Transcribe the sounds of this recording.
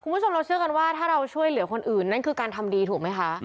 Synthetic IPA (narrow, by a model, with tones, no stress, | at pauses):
kʰu˧mbt͡ɕʰo˧mɾa˧wt͡ɕʰɯ˥˩əka˧nwaː˥˩t̪ʰaː˥˩ɾa˧wt͡ɕʰu˥˩əjlɯ˩˦ɐkʰo˧nʔɯː˨˩nːa˥˩nkʰɯː˧˩kaː˧nt̪ʰa˧mdiː˧t̪ʰuː˨˩ma˦˥jkʰa˦˥ʔ